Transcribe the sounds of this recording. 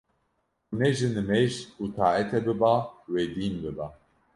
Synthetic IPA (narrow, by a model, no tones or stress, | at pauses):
unɛʒɨnɨmɛʒut̪ʰaːɛt̪ʰɛbɨbawɛd̪iːnbɨba